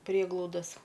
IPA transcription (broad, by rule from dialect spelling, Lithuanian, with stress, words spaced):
ˈpʲrʲiɛɡlˠɐʊdɐs